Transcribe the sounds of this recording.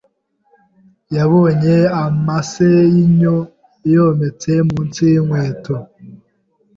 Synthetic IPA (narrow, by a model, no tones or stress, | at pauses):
jaβoɲeamasejiɲo | ejomet͡semunt͡siŋweːto